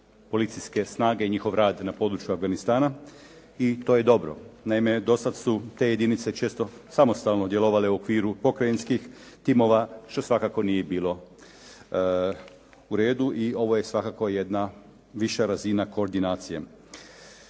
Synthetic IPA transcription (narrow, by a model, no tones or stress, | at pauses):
po̞lit̪siske̞snaːɡe̞iɲixo̞ʋɾaːd̪napo̞ːd̪ɾut͡ʃjuavɡanist̪aːna | it̪o̞ːje̞d̪o̞bɾo̰naime̞d̪o̞sad̪sut̪e̞ːje̞d̪init̪se̞t͡ʃe̞ːst̪o̞samo̞st̪alˠno̞d̪je̞lo̞ʋale̞uo̞kʋiːɾupo̞kɾajenskixt̪imo̞ʋaʃt̪o̞sʋakako̞nijebiːlo̞ | uɾe̞ːd̪uʔio̞ʋo̞jesʋakako̞je̞d̪na | ʋiʃaɾazinako̞ːɾd̪inaːt̪sije